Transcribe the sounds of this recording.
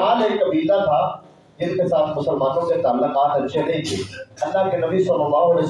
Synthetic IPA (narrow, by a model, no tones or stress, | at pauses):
aːleːkːɐbiːd̪at̪ʰa | d͡ʒɪskesaːt̪ʰmʊsəlmãːnõket̪aːlːoqaːt̪ɐtːʃʰenɐɦĩt̪ʰḭːɐlːakenɐbʱisoləmaːoɽes